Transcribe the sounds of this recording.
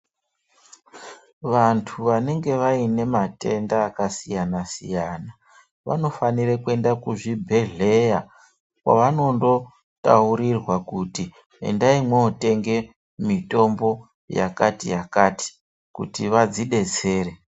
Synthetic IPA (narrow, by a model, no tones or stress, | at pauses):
ʋantʰuʋane̞ŋɡe̞ʋaine̞mate̞ndaːkasijanasijana | ʋa̰no̞faniɾekue̞ndakuʐibʱe̞ɮe̞ja | kwa̰ʋano̞ndo̞ | ta̰uɾirwakuti | ḛndaimweote̞ŋɡe̞ | mito̞mbo̞ | ja̰katijakaːti̥ | kṵtiʋad͡ziɗe̞t͡se̞ːɾe